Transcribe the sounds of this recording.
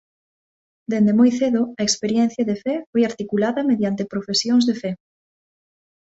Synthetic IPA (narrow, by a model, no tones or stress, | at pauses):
d̪end̪emojθeðʊɐekspeɾjɛn̟θjɐðefɛfojaɾt̪ikulaðɐmeðjant̪epɾofesjoŋzðefɛ